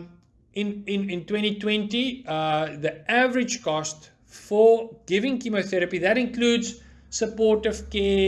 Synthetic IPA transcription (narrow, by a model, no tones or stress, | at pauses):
ɪ̃nɪ̃nɪ̃ntwɛ̃ntitwɛ̃nti | ðiʔævəɹɪd͡ʒkɔst | fəɡ̥ɪvɪ̃ŋkiməθɛɹəpiðætɪ̃nkluːdz | səpɔtəv̥kɛː